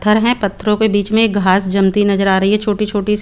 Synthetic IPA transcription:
t̪ʰːəɾɦɛ̃pɐt̪ʰːɾõkebiːt͡ʃmẽkɡʱaːsd͡ʒɐmt̪inɐzəɾaːɾɐɦiɦɛt͡ʃʰoːʈit͡ʃʰoːʈi

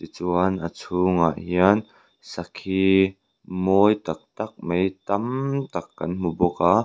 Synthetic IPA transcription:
t̪it͡suanʔət͡sʰuŋa̰ʔɦiɐn | sɐkʰi | mɔjt̪ɐk̚t̪ɐk̚mejt̪ɐmt̪ɐkːɐ̰nm̥ubɔka

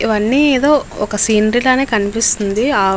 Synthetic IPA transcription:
iʋɐɳːiːeːd̪o̞ːɔkɐsiːnɐɾilaːne̞ːkɐnipist̪und̪iaː

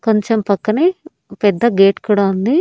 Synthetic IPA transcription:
kɐɲt͡ʃɐmpɐkːɐne | pɛd̪ːɐɡeːʈkuɽaːund̪i

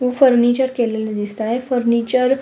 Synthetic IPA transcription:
ʋəfəɾnit͡ɕəɾkelelad̪ist̪aefəɾnit͡ɕəɾ

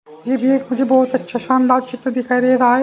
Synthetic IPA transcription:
jeːbʱiekmʊd͡ʒʱebɔːt̪ɐtːʃʰaʃaːnd̪aːɾt͡ʃɪt̪ːəd̪ɪkʰaːiɾɐeɾaːe

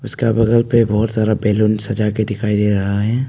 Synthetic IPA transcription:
ʊskabɐɡəlpebɔːt̪zaːɾabɛːluːnsɐd͡ʒaked̪ɪkʰaːid̪eːɾɐɦaɦɛː

